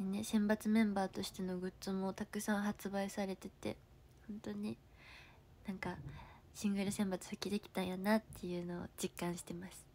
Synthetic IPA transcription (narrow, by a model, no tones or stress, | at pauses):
enesẽ̞mbat͡sɨmẽ̞mbaːt̪o̞ɕi̥t̪e̞no̞ɡɯ̟tt͡sɨmot̪akɯ̟sãɰ̃ɦat͡sɨbaisaɾe̞t̪e̞t̪e̞̰ | hõ̞nt̪o̞ɲ̟i | nãŋka | ɕĩŋɡɯ̟ɾɯ̟sẽ̞mbat͡sɨ̥hɯkʲid̪e̞kʲi̥t̪ãjonat̪ːe̞jɯ̟ːno̞̰ːd͡ʑikːãɰ̃ɕi̥t̪e̞masɨ̥